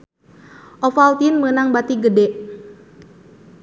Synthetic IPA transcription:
ʔɔfalt̪inmənaŋbat̪iɡədɛʔ

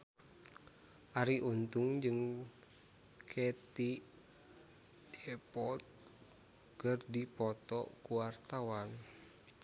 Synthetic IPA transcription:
ʔaɾiʔunt̪uŋd͡ʒɨŋ | kʰɛt̪i | ɛpɔt̪̚ | kərdipɔt̪ɔkuwart̪awan

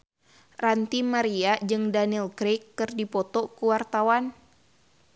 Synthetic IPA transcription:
rant̪imaɾiad͡ʒɨŋdanilkɾekːɨrdipɔt̪ɔkuwart̪awan

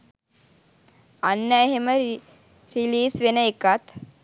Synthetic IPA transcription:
ɐnːɐjɦɐmɐ | ɾiliːsʋinɐjkat̪

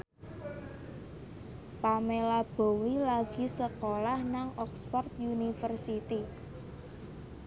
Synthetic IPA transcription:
pamelab̥o̤wilaɡ̥i̤səkolahnaŋʔɔkspɔrt̪̚junifərsit̪i

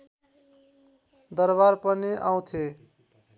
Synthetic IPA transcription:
d̪ʌɾβaɾpʌniʔaw̃t̪ʰe

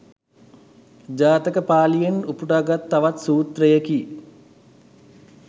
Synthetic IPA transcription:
d͡ʒaːt̪əkəpaːlijenupuʈaːɡat̪ːaʋat̪suːt̪rəjəki

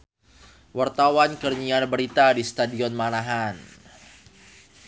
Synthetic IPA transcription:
wart̪awankərɲianbəɾit̪adist̪adiɔnmanaɦan

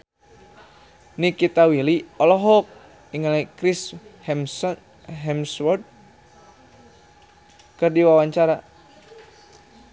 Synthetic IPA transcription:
nikit̪awiliɔlɔɦɔk̚ | iŋalakɾishɛm | ɦɛmswɔrd̪̚ | kɨrdiwawaɲt͡ʃaɾa

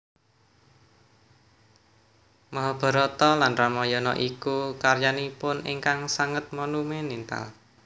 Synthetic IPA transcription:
məɦb̥ə̤ɾɔt̪ɔlanramɔjɔnɔ̰ʔikukarjanipʊnḛŋkaŋsaŋət̪̚mɔnumenint̪a̰l

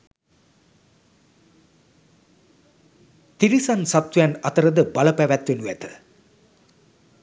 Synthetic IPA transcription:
t̪iɾisansat̪ʋjænɐt̪əɾəd̪əbaləpæʋæt̪ʋenuæt̪ə̥

